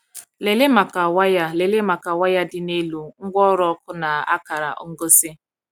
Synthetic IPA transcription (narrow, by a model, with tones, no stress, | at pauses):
le˨le˦ma˨ka˨wa˦ja˦le˨le˦ma˨ka˨wa˦ja˦dɪ˦ne˦lu˦ŋ̩˦ɡʷɔ˦ɾɔ˦kʊ˦na˨a̰˦ka˨ɾa˨ʔo̰˦ŋ̩˦ɡo˦sɪ˦